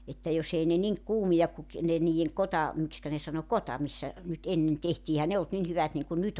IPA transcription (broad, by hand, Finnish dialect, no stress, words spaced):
etːæ jos ei ne niŋ kuːmijɑk ku ki ne niːjeŋ kotɑ mikskæ ne sɑno kotɑ misːæ nyt enːen tehtiː ehæn ne olt nin hyʋæt niŋkun nyt